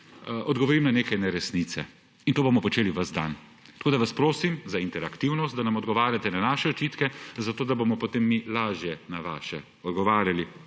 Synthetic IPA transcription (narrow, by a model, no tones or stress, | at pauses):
ʔɔd̪ɡɔʋɔɾimnaneːkajnɛɾɛsnit̪sɛ̰ | int̪oːbomɔpɔt͡ʃeːliʋɐzd̪a̰n | t̪ɐ̥koːd̪aʋaspɾoːsimzaint̪ɛɾakt̪iwnɔst̪̚d̪anamɔd̪ɡɔʋaːɾjat̪ɛnanaːʃɛɔt͡ʃiːt̪kɛzat̪oːd̪abomɔpot̪eːmːilaːʒjɛnaʋa̰ːʃɛ̰ | ɔd̪ɡɔʋaːɾjali